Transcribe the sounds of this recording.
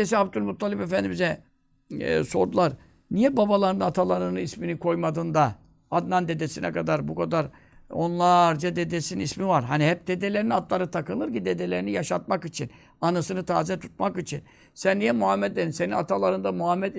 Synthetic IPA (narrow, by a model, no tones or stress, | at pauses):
esɛabd̪ulʲmut̪ʰːalʲɛpefænd̪imbizɛ | so̞ɾd̪ulˠaɾ | nijɛbabalˠaɾɯnɯnat̪ʰalˠaɾɯnɯisminikʰo̞jmad̪ɯnd̪a | ad̪nand̪e̞d̪ɛsinɛ̰kʰad̪aɾbukʰad̪aɾ | o̞nlˠaɾd͡ʒad̪ed̪esinismivaɾɦaniɦɛp̚d̪e̞d̪elʲeɾinad̪lˠaɾɯt̪ʰakɯnˠɯɾcid̪ed̪elʲeɾinijaʃat̪̚makit͡ʃʰin | anɯsɯnɯt̪ʰaːzɛt̪ʰu̥t̪̚makit͡ʃʰin | sænːijɛmuhamːɛt̪̚leinse̞ninat̪ʰalˠaɾɯnd̪amuhamːɛt̪